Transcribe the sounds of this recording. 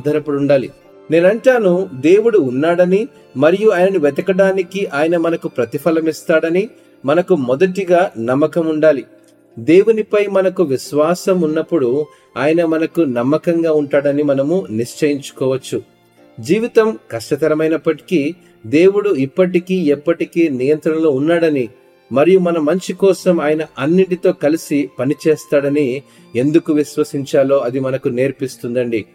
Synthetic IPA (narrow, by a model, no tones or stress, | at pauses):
d̪ʱɐɾɐpːuɽuɳɖaːli | ne̞ːnɐɳʈaːnud̪e̞ːwuɽuːnːaːɽɐni | mɐɾijuaːjɐnɐnuʋɛt̪ɐkɐɽaːnikiʔaːjɐnɐmɐnɐkupɾɐt̪ipʰɐlɐmist̪aːɽɐni | mɐnɐkumɔd̪ɐʈiɡaːnɐmːɐkɐmuɳɖaːli | d̪e̞ːwunipɐjmɐnɐkuʋiʃʋaːsɐmunːɐpːuɽu | aːjɐnɐmɐnɐkunɐmːɐkɐŋɡaːuɳʈaːɽɐnimɐnɐmuniʂt͡ʃɐjiɲt͡ʃu̥kɔːʋɐt͡ʃːu | d͡ʒiːʋit̪ɐmkɐʂʈɐt̪ɐɾɐmɐjnɐpːɐʈi̥ki | d̪e̞ːwuɽuipːɐʈikiːɛpːɐʈikeːnijɐnt̪ɾɐɳɐlo̞ːunːaːɽɐni | mɐɾijumɐnɐmɐɲt͡ʃikɔːsɐmaːjɐnɐʔɐnːiɳʈit̪o̞ːkɐlisipɐnit͡ʃeːst̪aːɽɐni | e̞nd̪ukuʋiʃʋɐsiɲt͡ʃaːlo̞ːɐd̪imɐnɐkune̞ːɾpist̪und̪ɐɳɖi